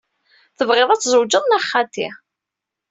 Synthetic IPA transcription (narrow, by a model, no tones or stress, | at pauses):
θəvʁɪðˤæt͡sːzˤəwd͡ʒəðˤnæχːat̪ḭ